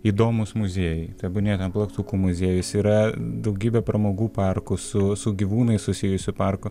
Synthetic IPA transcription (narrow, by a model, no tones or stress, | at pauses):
iːd̪oːmʊsmʊzʲiɛjɛt̪ɐbʊnʲeːt̪ʲɛnplˠɐkt̪uːkumʊzʲeɛjʊsiːɾɐd̪ɐʊɡʲiːbʲɛpɾɐmoːɡuːpɑrkʊsʊsʊɡʲiʋuːnɐɪssʊsʲɪjʊsʲʊpɐrkʊ